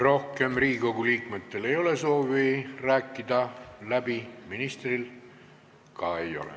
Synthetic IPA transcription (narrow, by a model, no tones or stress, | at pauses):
ro̞hke̞mriːko̞ɡuliːkme̞t̪ːe̞le̞jo̞le̞so̞ːviræːkːid̪ɑlæbiminist̪ril | kɑe̞jo̞̰lḛ